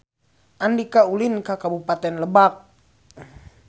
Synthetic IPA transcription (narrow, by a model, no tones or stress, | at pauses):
ʔandikaulinkakabupat̪ɛnləbak̚